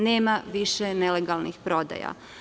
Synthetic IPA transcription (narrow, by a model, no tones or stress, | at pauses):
neːmaʋiʃeneleɡalˠnixpɾo̞d̪a̰ja̰